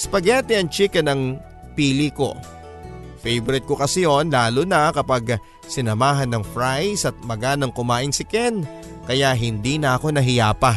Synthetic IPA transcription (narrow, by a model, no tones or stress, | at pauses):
spɐɡɛːt̪ɛʔɐŋt͡ʃikɐnɐŋ | piːliko̞̰ | fɛjbɾɪt̪̚kokɐsɪjo̞nlaːlonɐkɐpaɡ | sɪnɐmaːɦɐnːɐŋfɾajsɐt̪̚mɐɡaːnɐŋkʊmaːʔɪŋsɪkɛn | kɐjaɦɪnd̪inɐʔɐko̞nɐɦɪjaːpɐ